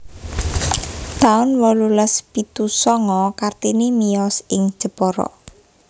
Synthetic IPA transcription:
t̪aʊnwɔluləspit̪usɔŋɔkart̪inimijɔsɪŋ̥ʒ̥ə̤pɔɾɔ̰

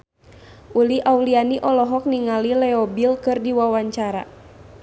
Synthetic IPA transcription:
ʔuliʔaulianiʔɔlɔɦɔk̚niŋalilɛɔbilkɨrdiwawaɲt͡ʃaɾa̰

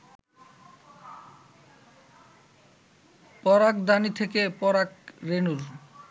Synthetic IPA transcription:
pɔɾakd̪anit̪ʰekepɔɾakɾenuɾ

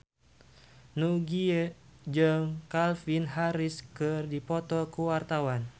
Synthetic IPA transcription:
nuɡiɛd͡ʒɨŋkalfinɦaɾiskɨrdipɔt̪ɔkuwart̪awan

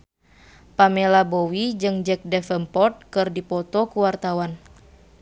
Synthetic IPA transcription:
pamɛlabowid͡ʒɨŋd͡ʒɛk̚dɛfəmpɔt̪̚kɨrdipɔt̪ɔkuwart̪awan

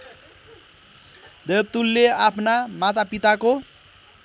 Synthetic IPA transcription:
d̪eb̚t̪ulːeapʰnamat̪apit̪ako

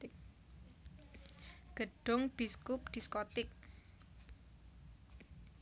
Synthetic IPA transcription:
ɡ̥əɖ̥ʊŋb̥iskʊp̚d̪̥iskɔt̪ɪk̚

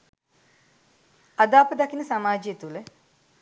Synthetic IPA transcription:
ad̪aːpəd̪akinəsamaːd͡ʒiet̪ulə

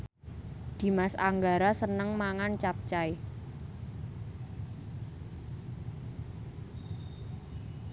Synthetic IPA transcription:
d̪̥i̤masa̰ŋɡaɾasənəŋmaŋant͡ʃap̚t͡ʃaj

